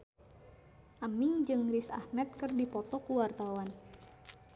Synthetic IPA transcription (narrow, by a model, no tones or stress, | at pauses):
ʔamiŋd͡ʒɨŋrisa̰hmɛt̪̚kɨrdipɔt̪ɔkuwart̪awan